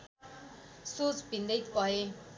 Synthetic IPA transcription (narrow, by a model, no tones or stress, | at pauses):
sut͡sbʱind̪ʌjt̪ʌɦe